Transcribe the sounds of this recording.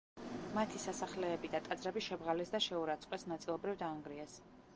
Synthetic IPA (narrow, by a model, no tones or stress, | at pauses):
mat̪ʰisasaχlɛːbid̪at̪ʼad̪zɾɛbiʃɛbʁalɛsd̪aʃɛuɾat̪sʼqʼwɛsnat̪sʼilˠɔbɾivd̪aːŋɡɾiɛs